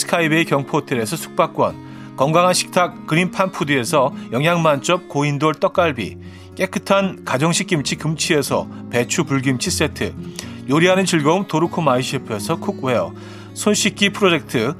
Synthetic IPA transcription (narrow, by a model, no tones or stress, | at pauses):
sɯ̥kʰaibe̞ikjʌŋpʰotʰeɾe̞sʰʌsʰu̥k̚p͈ak͈wʌ̰n | kʌŋɡaŋɦanɕʰi̥k̚tʰak̚ːɯɾimpʰanpʰudie̞sʰʌjʌŋɦjaŋmant͡ɕ͈ʌp̚koindoɭt͈ʌk͈aɭbḭ | k͈e̞k͈ʰɯtʰankad͡ʑʌŋɕʰik͈̚imt͡ɕʰikɯmt͡ɕʰie̞sʰʌ̰pe̞t͡ɕʰupuɭɡimt͡ɕʰis͈e̞tʰɯ̰joɾiɦanɯnt͡ɕiɭɡʌumtoɾukʰumaiɕʰipʰe̞sʰʌkʰuk̚weʌ̰ | sʰonɕ͈ik̚k͈ipʰɯɾod͡ʑe̞k̚tʰɯ